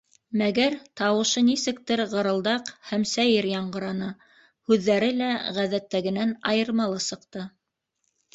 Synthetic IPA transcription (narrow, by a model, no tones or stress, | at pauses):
mæɡæɾt̪ɑwɤ̆ʃɤnisɘ̆k̚t̪ɘɾʁɤ̆ɾɤ̆lˠd̪ɑqhæmsæjɘɾjɑɴɢɤ̆ɾɑnɤ | hʉðːæɾɘlæʁæðæt̪ːæɡɘ̆nænɑjɤ̆ɾmɑlˠɤsɤ̆qt̪ɤ